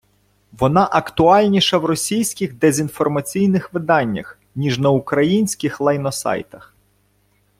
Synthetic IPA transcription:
ʋɔnɑʔɐkt̪ʊɑlʲnʲiʃɐwrɔsʲijsʲkʲɪɣd̪ezʲinfɔrmɐt͡sʲijnɪxʋɪd̪ɑnʲːɐ̰x | nʲiʒnɐʊkɾɐjinʲsʲkɪxlˠɐjnɔsɑ̰jt̪ɐx

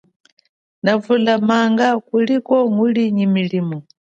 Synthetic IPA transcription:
navulamaŋɡakulikɔŋuliɲimiliːmɔ

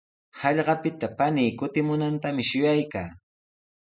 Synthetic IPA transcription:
hɑʎɢɑpɪt̪apaniːkʊt̪ɪmʊnant̪amɪʃʊjajkaː

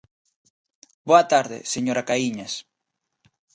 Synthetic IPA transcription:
boɐt̪aɾðḛseɲoɾakaiɲas

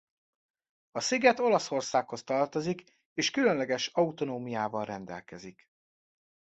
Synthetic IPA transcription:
ɒsiɡɛt̪o̞lɒso̞rsaːkho̞st̪ɒrt̪o̞zik | eːʃkylønlɛɡɛʃɒut̪o̞noːmijaːvɒlrɛnd̪ɛ̰lkɛzik

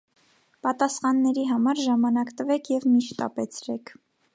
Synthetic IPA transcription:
pɑt̪ɑsχɑnːɛɾiɦɑmɑɾʒɑmɑnɑkt̪əvɛkʰjɛvmiʃt̪ɑ̰pɛt͡sʰɾɛkʰ

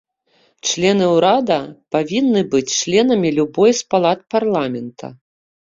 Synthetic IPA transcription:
t͡ʂlʲɛnɨwɾad̪ɐpavʲinːɨbɨt͡sʲt͡ʂlʲɛnɐmʲilʲubɔjspalˠat̪̚parlˠamʲɛnt̪ʰɐ̰

